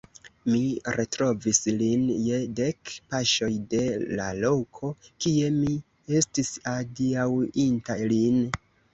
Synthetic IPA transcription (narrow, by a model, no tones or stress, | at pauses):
miɾetɾo̞vislinje̞de̞kpaʃo̞jde̞la̰lo̞kʰo̞kie̞mi | e̞stisadiawintalin